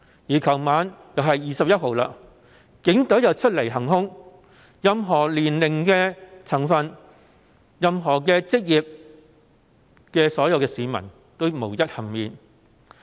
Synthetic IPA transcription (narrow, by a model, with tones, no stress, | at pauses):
jiː˨˩kʰɐ˨˩wmaː˨˧njɐ˨wɦɐ˨jːiː˨sɐ˨p̚jɐ˥t̚ɦo˨wla̰ː˧˥ | kɪ˨˥ŋt̪ɵ˨˥wjɐ˨wt͡ʃʰɵ˥t̚le˨˩jɦɐ˨˩ŋɦʊ˥ŋ | jɐ˨mɦɔː˨˩liː˨˩nlɪ˨˩ŋkɛː˧t͡sʰɐ˨˩ŋfɐ˨n | jɐ˨mɦɔː˨˩k̬ɛː˧t͡sɪ˥k̚jiː˨p̚ | kɛː˧sɔː˨˥jɐ˧wkɛː˧siː˨˧mɐ̰˨˩n | t̪o˥wmo˨˩wjɐ˥t̚hɐ˨˩ŋmiː˨n